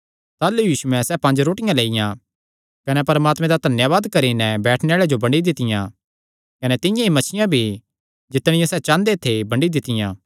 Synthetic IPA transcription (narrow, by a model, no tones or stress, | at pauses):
t̪aːlujiːʃuɛ̃sɛpɐ̃nd͡ʒɾoːʈɪjãleːɪjã | kɐnɛpɐɾmaːt̪mɛ̃d̪at̪ɐnjaʋaːd̪kɐɾinɛ̃bɛːʈʰneaːɭed͡ʒobɐ̃ɳɖid̪ɪt̪ɪjã | kɐnɛt̪ɪ̃jãimɐt͡ʃʰɪjãbʱi | d͡ʒɪt̪ɽ̃ɪjãsɛt͡ʃãːnd̪et̪ʰebɐ̃ɳɖid̪ɪt̪ɪjã̰ː